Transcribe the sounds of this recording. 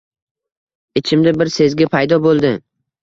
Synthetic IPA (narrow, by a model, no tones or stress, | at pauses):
ɪt͡ʃʰɪmd̪abɪɾse̞zɡʲapʰajd̪ɒbolˠd̪ɪ